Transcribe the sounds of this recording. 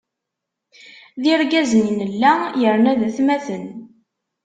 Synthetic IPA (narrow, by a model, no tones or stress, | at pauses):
ðiɾɡæzəninəlːæjəɾnæðæθmæθən